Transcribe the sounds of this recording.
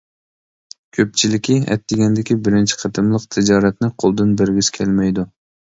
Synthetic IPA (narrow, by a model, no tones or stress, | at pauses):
kʲʰøp̚t͡ʃʰilɪkʲʰiɛ̰t̪ːɪɡʲɛnd̪ɪkʲibɪɾɪnt͡ʃʰi̥qʰət̪ʰɨmlˠəqt̪ʰɪd͡ʒɑːɾɛt̪nɪqʰolˠd̪ɨnbɪɾɡʲizkʲʰɛlmɛjd̪u